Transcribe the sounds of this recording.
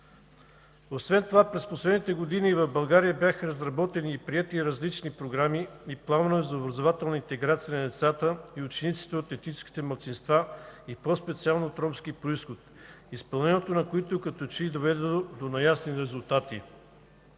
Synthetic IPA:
osvɛnt̪ovapɾɛsposlɛd̪nit̪ɛɡod̪inivɐvbɐlˠɡaɾijəbjaxəɾɐzɾɐbɔt̪ɛniːpɾiɛt̪iɾɐzlit͡ʃnipɾoɡɾamiiplˠannoɛzɐobɾɐzovat̪ɛlˠnəint̪ɛɡɾat̪sijənɐd̪ɛt̪sat̪əiʊt͡ʃɛnit̪si̥t̪ɛot̪ɛt̪nit͡ʃɛ̥ski̥t̪ɛmɐlˠt̪sinst̪vaipɔspɛt̪sialˠnot̪ɾɔmsk̟ipɾoisxot̪̚ | ispɐlˠnɛniɛt̪onɐkoit̪okɐt̪ɔt͡ʃid̪ovɛd̪od̪onɐjasniɾɛzulˠt̪at̪ḭ

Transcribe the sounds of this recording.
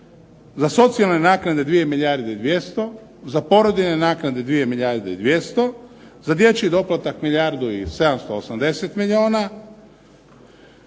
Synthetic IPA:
zaso̞t̪sijalˠne̞naːknad̪e̞d̪ʋije̞miʎjaːɾd̪eid̪ʋje̞st̪o̞ | zapo̞ɾo̞d̪ine̞naːknad̪e̞d̪ʋije̞miʎʲaːɾd̪eḭd̪ʋje̞st̪o̞ | zad̪je̞t͡ɕid̪o̞plat̪akmiʎʲjaːɾd̪uise̞d̪amst̪o̞osamd̪e̞set̪miʎʲio̞ːna

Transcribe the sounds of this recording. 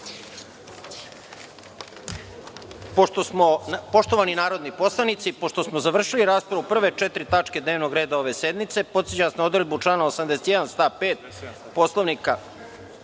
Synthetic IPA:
poʃt̪osmonpo̞ʃt̪o̞ʋaninaːɾo̞d̪nipo̞slˠaʋnit̪sipo̞ʃt̪o̞smozaʋr̩ʃiliɾaːspɾaʋupr̩ʋe̞t͡ʃet̪ɾit̪at͡ʂke̞d̪ne̞ːʋno̞ɡɾeːd̪ao̞ʋe̞sed̪mit̪se̞po̞t̪set͡ɕasnao̞d̪ɾed̪but͡ʂlaːnaosamd̪eset̪jed̪anst̪aːpeːt̪̚ | po̞slˠoʋnika

